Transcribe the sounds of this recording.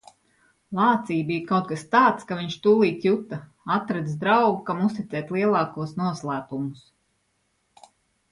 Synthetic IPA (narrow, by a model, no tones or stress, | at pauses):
lˠɑːt̪siːbijkawt̪̚kast̪aːt̪skaviɲʃt̪uːlˠiːt̪jut̪a | at̪ɾad̪zd̪ɾawɡukamust̪it̪sʲɛːt̪ʲlˠiɛlˠɑːkuɔsnuɔslˠæːpumʊs